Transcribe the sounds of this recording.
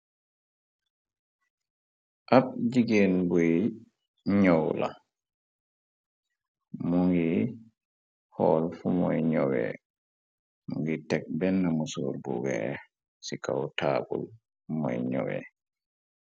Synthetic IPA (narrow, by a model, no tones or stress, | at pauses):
ʔab̚d͡ʒiɡenbuj | ɲɔwla̰ | muŋɡi | hɔːlfumɔjɲɔwɛ̰ | muŋɡitɛk̚bɛnːamusṵɾbuɡɛ | sikawtaːbul | mɔjɲɔwɛ̰